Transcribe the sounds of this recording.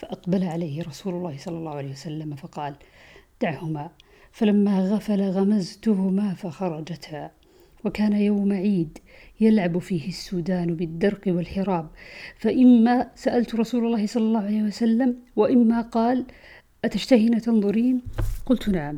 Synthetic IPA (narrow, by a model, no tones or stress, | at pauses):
faʔɑqbalʕalajhɪɾˤɑsuːlʊlˤːɑːhɪsˤɑlːɑlˤːɑːhʊʕaleːhwasalːamfɑqɑːl | d̪̥aʕhʊma | falamːaɣafalaɣamazt̪ʊɦʊmafaxɑɾˤɑd͡ʒat̪ha | wakaːnajawmaʕiːd̪jalʕabfiːhɪsːuːd̪aːnbɪd̪ːɑɾˤqwɪlħɪɾˤɑːb̚faʔɪmːasaʔalt̪ɾˤɑsuːlɑlˤːɑːhɪsˤɑlːɑlːɑːhʊʕalejhwasalːamwɪʔɪmːaqɑːl | ʔat̪aʃt̪ahinat̪ɑnðˤʊɾiːnqʊlt̪naʕam